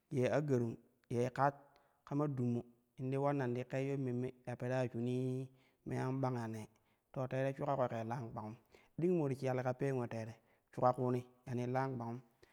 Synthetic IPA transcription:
je˨a˦ɡa˨ɾu˨m | je˨ka˦t̚ | ka˦ma˦du˨mːu˨ | i˨n˦di˦wa˦nːa˨ndi˦ke˦jo˦me˨me˨ja˨pe˨ɾa˦˨t͡ʃu˨ni˦ | mḛ˦ja˦m˦ba˦ŋja˨ne˨ | to˨te˦ɾe˦t͡ʃu˦ka˦ko˨ke˨la˦ŋɡ͡ba˨ŋu˦m | di˦ŋ˦mo˨ɾi˨ki˨ja˨le˨ka˨pe˦ŋʷe˨teː˨ɾe˨ | t͡ʃu˦ka˦ku˦ni˦ja˨ni˦la˦ŋɡ͡ba˨ŋu˦m

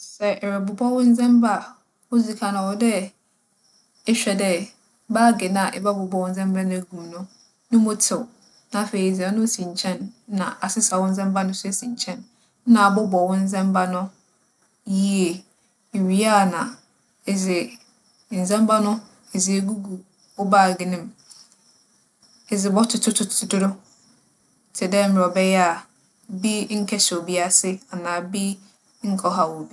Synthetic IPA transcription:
sɛ˨ʔɛ˨ɾɛ˨bʊ˨bʰɔ˦wʊ̃˦n̩˦zɛ̃˦mba˦˨ | wo˦zi˨kʰa˨nʊ̃˨wɔ˦dɛ˦ | ɛ˦ɕᶣɛ˨dɛ˦ | baː˦ɡɪ˨nã˨ʔɛ̰˨ba˦bɔ˨bɔ˨wʊ̃˦n̩˦zɛ̃˦mba˦nʊ̃˦æ˨ɡu˨nʊ̃˦ | nʊ̃˦mʊ̃˦tʰɪ˨w | nã˨fe˨i˨za˨˦nʊ̃˦sĩ˨ɲ˨t͡ɕʰɛ̃˦n˦nã̰˨ʔa˨sɪ˦sa˨wʊ̃˦n̩˦zɛ̃˦mba˦nʊ̃˦sɛ˦˨sĩ˨ɲt͡ɕʰɛ̃˦n˦ | nã˨a˨bɔ˦bɔ˨wʊ̃˦n̩˦zɛ̃˦mba˦nʊ̃˦ | ji˦e˨ | ɥi˦a˦˨nã̰˨ | e˨zɪ˨ | n̩˨zɛ̃˦m˦ba˦nʊ̃˦ | e˨zɪ˨e˨ɡu˦ɡu˨ | bɔ˦baː˦˨ɡɪ˨nɪ̃˨m | e˨zɪ˨bɔ˦tʰʊ˨tʰʊ˦tʰʊ̥˦˨˦ʊ˦dʊ˦ɾʊ˦ | tʰɪ˨dɛ˦m̩˨ɾɔ˨bɛ˦jɛ˦a˨ | bi˦ŋ̩˦kʰɛ˦so˨bi˦a˨sɪ˦a˨nãː˨bi˦ | ŋ̩˦kʰɔ˦ɦa˨wɔ˨bi˦

